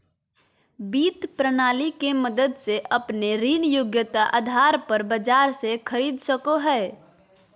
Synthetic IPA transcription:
biːt̪pɾənaːlikeməd̪əd̪seʔəpneɾiːnjʊɡjət̪aʔa̰d̪ʱaɾpəɾbəd͡ʒaːɾsekʰəɾiːd̪səkoɦɛː

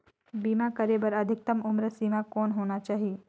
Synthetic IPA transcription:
biːmãkəɾebəɾəd̪ʱɪk̚t̪əmʊmɾəsiːmãkoːnɦoːnat͡ʃaːɦie

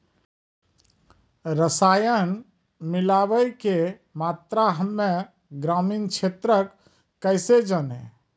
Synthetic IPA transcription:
ɾəsajən | milaʋəjke | mat̪ɾaɦəmːe | ɡɾaminkt͡ʃʰet̪ɾəkː | əɪsed͡ʒənḛ

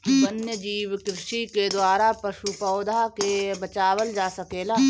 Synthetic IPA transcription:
bənjəd͡ʒiːʋkɾɪʃiked̪waːɾapɐʃupɔːd̪ʱakebɐt͡ʃaːʋəld͡ʒaːsɐkeːlaː

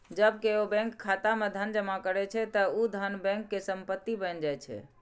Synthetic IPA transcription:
d͡ʒəbkeobɛ̃ŋkʰːat̪amed̪ʱənd͡ʒəmakəɾɛt͡ʃʰɛt̪əud̪ʱənbɛ̃ŋkːesəmpət̪ːibənd͡ʒajt͡ʃʰɛ̰

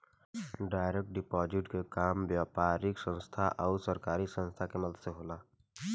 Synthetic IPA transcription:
ɖaːɪɾek̚ʈ̚ɖɪpɔːd͡ʒɪʈkekaːmʋjaːpaːɾɪksə̃nst̪ʰaʔɔʊsəɾkaːɾisə̃nst̪ʰakeməd̪d̪ʱseɦoːlaː

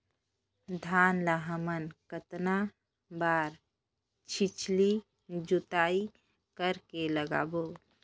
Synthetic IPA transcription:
d̪ʱaːnlaɦəmənkət̪na | baːɾ | t͡ʃʰit͡ʃli | d͡ʒʊt̪aːi | kəɾkeləɡa̰ːboː

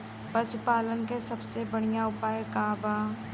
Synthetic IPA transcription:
pəsʊpaːlənkesɐbsebəɽijaʊpaːekaːbaː

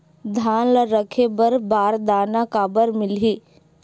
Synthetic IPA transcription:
d̪ʱaːnləɾəkʰebəɾbaːɾd̪aːnakaːbəɾmɪlɦiː

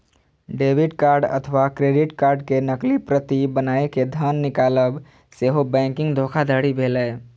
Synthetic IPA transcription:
ɖebʱiɖkaɾɖə̰t̪ʰəʋakɾeɖiʈkaɾɖkenəklipɾət̪ibənaeked̪ʱənːikaləb | seɦobɛ̃ŋkɪ̃ŋɡd̪ʱokʰad̪ʱəɽibʱelɛ

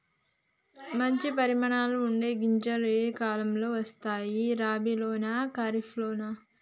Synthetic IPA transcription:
mɐɲt͡ʃipɐɾimɐɳaːluuɳɖe̞ːɡiɲt͡ʃɐlɐekaːlɐmlo̞ːʋɐst̪aːjiɾaːbiloːnakaːɾifʰloːna

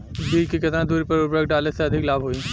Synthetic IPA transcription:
biːlkikɐt̪ɾãd̪uːɾipɐɾʊpɾək̚ɖaːleseɐd̪ʱɪklaːbɦoːiː

